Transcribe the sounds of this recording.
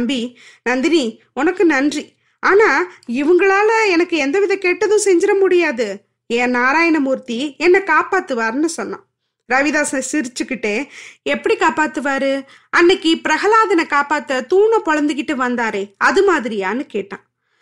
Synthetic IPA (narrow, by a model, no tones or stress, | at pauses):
mbi | nɐnd̪ɪni | ʊnɐkːɯnɐndri | aːnaːɪʋɯŋɡɐɭaːlɐɛnɐkːɯɛnd̪ɐʋɪðɐɛ̃keːʈːɐðʊ̃sɛɲd͡ʒɪɾɐmʊɽɪjaːðɯ | ẽːnaːɾaːjɐnɐmuɾt̪iɛnːɐkaːpaːt̪ːɯʋaːɾɯnɯsɔnːã̰ː | ɾɐʋɪðaːsɐsɪɾɪt͡ʃːɯkːɪʈːeːɛpːɐɽikaːpaːt̪ːɯʋaːɾɯ | ɐnːɐkːipɪɾɐɣɐlaːðɐnɐkaːpaːt̪ːɐt̪uːnɐ̃pɔɻɐnd̪ɯkɪʈːɯʋɐnd̪aːɾeːɐðɯmaːðɪɾɪjaːnɯkeːʈːã̰ː